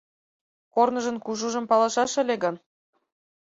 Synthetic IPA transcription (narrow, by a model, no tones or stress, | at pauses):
kornɤ̆ʒɤ̆nkuʒuʒɤ̆mpɑlˠɑʃɑʃə̆lʲeɡɤn